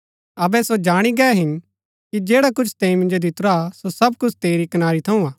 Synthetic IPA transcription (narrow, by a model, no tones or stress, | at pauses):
ɐbɛsod͡ʒaːɽ̃iɡɛɦɪn | kid͡ʒeːɽakʊt͡ʃʰt̪ɛ̃ːĩmɪ̃nd͡ʒod̪ʱɪt̪ɾasosɐb̚kʊt͡ʃʰt̪eːɾikɐnaːɾit̪ʰɐũaː